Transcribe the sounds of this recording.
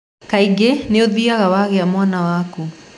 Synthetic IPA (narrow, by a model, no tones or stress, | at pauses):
kaiɡeneoðiaɣawaɣeamwanawaku